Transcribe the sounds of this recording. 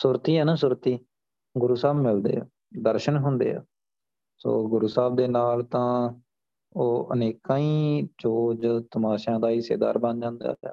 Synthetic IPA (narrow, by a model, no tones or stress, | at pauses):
sʊːɾt̪iːɦɛːnãːsʊɾt̪iː | ɡʊɾuːsaːbmɪld̪ḛːaː | d̪əɾʃənɦʊnd̪ḛːa̰ː | so̰ːɡʊɾuːsaːb̚d̪eːnaːlt̪ãː | oːʔəneːkãːĩːt͡ʃoːd͡ʒt̪əmaːʃãːd̪aːiːsḛːd̪a̰ːɾbə̃nd͡ʒãːnd̪a̰ːd͡ʒa̰ː